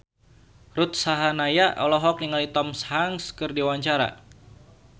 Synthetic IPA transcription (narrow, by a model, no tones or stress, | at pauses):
ɾut̪̚saɦanajaʔɔlɔɦɔk̚niŋalit̪ɔmshaŋskɨrdiwaɲt͡ʃaɾa̰